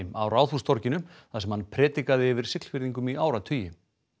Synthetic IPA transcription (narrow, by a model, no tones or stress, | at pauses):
ɪma̰wɾaːwθust̪ʰɔɾcɪnʏmθaðsɛmhanːpʰɾɛːt̪ikaðɪɛvɪɾ̥sɪkl̥fɪɾðiŋkʏmiʔaːwɾat̪ʰʏːjɪ